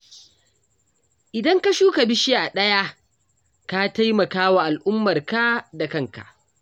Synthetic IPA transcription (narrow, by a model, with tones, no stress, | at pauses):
ʔɪ˨dɐ˦ŋka˦ʃuː˦ka˨bɪ˦ʃiː˦ʔa˨ɗɐ˦ja˦ | ka˦ta˦jmɐ˨kaː˦wa˨ʔa˨lʔʊ˦mːɐ˨rka˦da˨kɐ˦ŋka̰˨ʔ